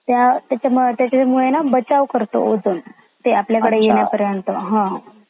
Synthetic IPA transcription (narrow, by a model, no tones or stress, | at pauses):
t̪jat̪jat͡ɕamt̪jat͡ɕamuɭenabət͡ɕaʋkəɾt̪o̰od͡zuːn | t̪eapljakəɽejeɳjapəɾjənt̪əɦã